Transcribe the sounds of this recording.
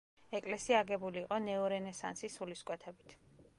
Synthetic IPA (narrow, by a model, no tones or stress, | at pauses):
ɛkʼlɛsiaɡɛbuliːqʼɔnɛɔɾɛnɛsa̰nsisuliskʼwɛt̪ʰɛbit̪ʰ